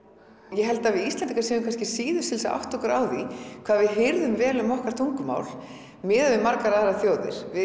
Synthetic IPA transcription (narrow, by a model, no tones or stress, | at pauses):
jɛɦɛlt̪aðvɪðist̪lɛnt̪iŋkasɛmʏkʰanscɪ̥siːðʏ̥sɪlsa̰wht̪ɔkɾa̰ːwðikʰvaːðvɪðɦɪɾðʏmvɛːlʏmɔhkaɾ̥t̪ʰuŋkʏma̰ːwl | mɪːðavɪmaɾkaɾaθɛrːaθjoːwðɪ̰ɾ̥vɪ